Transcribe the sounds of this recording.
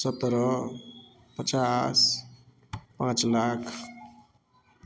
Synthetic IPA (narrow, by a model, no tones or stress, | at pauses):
sət̪ɾɔ | pət͡ʃas | pãt͡ʃlakʰ